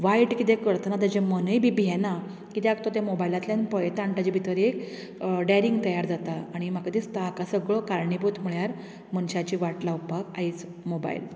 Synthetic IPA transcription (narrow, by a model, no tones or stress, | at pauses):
ʋaiʈkit̪ekəɾt̪nat̪əd͡ʑẽmənjbʱibiɦɛna | kit̪eak̚t̪ot̪jamobajlat̪ljanpɔjt̪aɳʈad͡ʑibʱit̪əɾek | ɖaɾiŋɡt̪əjaɾd͡zat̪aːɽ̃im̤akat̪ist̪əakasəɡɭokaɾɳibut̪ʰm̤uɭjaɾ | mənɕat͡ɕiːʋaʈlaupakaɦit͡s | moba̰ḭl